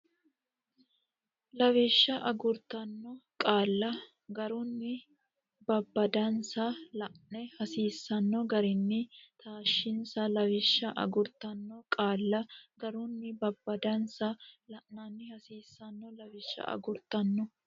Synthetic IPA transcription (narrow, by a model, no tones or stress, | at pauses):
lɐwɪʃːɐʔɐɡʊɾt̪ɐnːɔkʼaːlːɐ | ɡɐɾʊnːɪ | bɐbːɐd̪ɐnsɐlɐʔnɛhɐsiːsːɐnːɔɡɐɾɪnːɪt̪ʰaːʃːɪnsɐlɐwɪʃːɐʔɐ̰ɡʊɾt̪ɐnːɔkʼaːlːɐɡɐɾʊnːɪbɐbːɐd̪ɐnsɐlɐʔnːɐnːɪhɐsiːsːɐnːɔlɐvɪʃːɐ̰ʔɐ̰ɡʊɾt̪ɐnːɔ